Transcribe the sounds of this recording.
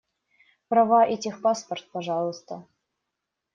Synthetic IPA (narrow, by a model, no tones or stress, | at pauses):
prɑvɑʔɛtʲɪxpɑspərt̪̚pɐʐɑlˠə̆st̪ə̰